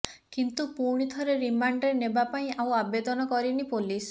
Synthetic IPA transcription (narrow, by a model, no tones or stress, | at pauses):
kint̪upuɾɽ̃it̪ʰɔɾeɾimaɳɖɾenebapaĩʔaw̃abed̪ɔnɔkɔɾinipolis